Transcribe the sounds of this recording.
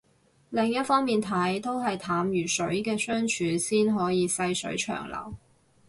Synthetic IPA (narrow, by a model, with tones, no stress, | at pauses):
lɪ˨ŋjɐ˥t̚fɔː˥ŋmiː˨nt̪ʰɐ˨˥jt̪o˥wɦɐ˨jt̪ʰaː˨˥mjyː˨˩sɵ˨˥ɥkɛː˧sœː˥ŋt͡ʃʰyː˨˥siː˥nɦɔː˨˥jiː˨˧sɐ˧jsɵ̰˨˧˥ɥt͡ʃʰœ̰ː˨˩ŋlɐ̰˨˩w